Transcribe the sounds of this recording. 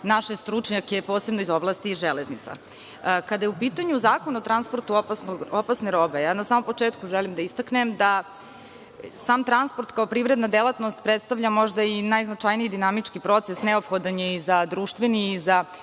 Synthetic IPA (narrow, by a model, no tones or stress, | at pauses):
naʃest̪ɾut͡ʂɲakepo̞ːsebnoizo̞blˠast̪iʒeleznit̪sa̰ | kad̪ajɛupiːt̪aɲuzaːkonuot̪ɾanspoɾt̪uopasnoɡopasneɾo̞be̞jaːnasaːmo̞mpo̞t͡ʂeːt̪kuʒelimd̪aist̪aknemd̪a | saːmt̪ɾanspoɾt̪kaopɾivɾed̪nad̪elˠat̪no̞st̪pɾet̪st̪aʋʎamo̞ʒd̪ainajznat͡ʂajnijid̪inamit͡ʂkipɾo̞t̪sesnɛopxod̪anjeizad̪ɾuːʃt̪ʋeniiza